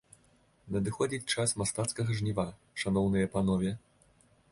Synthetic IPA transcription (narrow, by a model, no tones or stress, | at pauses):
nɐd̪ɨxɔd͡zʲit͡sʲt͡ʂasmast̪at̪skɐɣɐʐnʲiva | ʂanɔwnɨjɐpanɔvʲɛ